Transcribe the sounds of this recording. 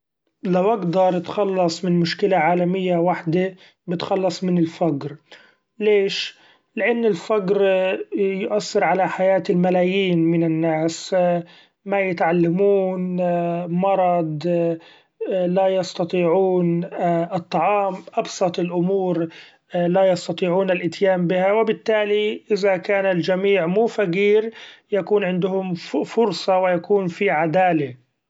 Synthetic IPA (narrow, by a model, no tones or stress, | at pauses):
lawʔaɡd̪ɑɾˤɪt̪xɑlːɑsˤmɪnmʊʃkɪlaʕaːlamɪjːawaħd̪ɪ | bɪt̪xɑlːɑsˤmɪnɪlfaɡɾ | leːʃ | lɪʔanːɪlfaɡɾ | jʊʔasːɑɾʕalaħajaːt̪ɪlmalaːjiːnmɪnɪnːaːs | majɪt̪ʕalːamuːn | mɑɾˤɑd̪ˤ | lajɑst̪ɑt̪ˤiːʕuːnʔɨt̪ˤːɑʕɑːmʔɑbsɑt̪ˤɪlʔʊmuːɾ | lajɑst̪ɑt̪ˤiːʕuːnalʔɪt̪jaːmbɪhawɪbɪt̪ːaːliʔɪðakaːnald͡ʒamiːʕmuːfaɡiːɾjakuːnʕɪnd̪ʊhʊmfʊɾsˤɑwɪjakuːnfiʕad̪aːla